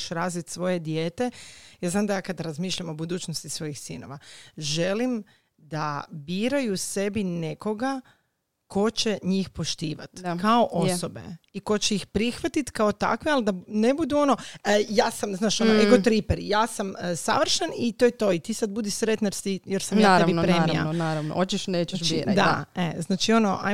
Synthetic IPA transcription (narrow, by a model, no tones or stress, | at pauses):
ʃɾaːzʋit̪sʋo̞je̞d̪jeːt̪ejaːznaːmd̪ajaːkad̪ɾazmiːʃʎamo̞bud̪uːt͡ɕnost̪isʋo̞jixsḭːno̞̰ʋaʒelim | d̪abiːɾajuse̞bineko̞ɡa | kʰo̞t͡ɕeɲiːxpo̞ʃt̪iːʋa̰t̪kaoʔo̞so̞be̞̰iko̞t͡ɕeixpɾixʋat̪it̪kaot̪a̰kʋiald̪anebud̪uo̞no̞jaːsamznaːʃonoeɡot̪ɾipeɾjaːsamsa̰ʋr̩ʃanit̪ojet̪o̞it̪iːsad̪̚bud̪iʃsɾet̪najeɾst̪ijeɾsamjaat̪ːeinpɾmia̰naːɾaʋno̰ot͡ʃiʃneːt͡ʃʃt͡ʃiɾad̪aeznaːt͡ʃio̞noʔa̰j